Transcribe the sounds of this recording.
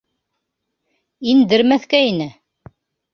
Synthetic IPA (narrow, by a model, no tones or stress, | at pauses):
ind̪əɾmæθkæjnæ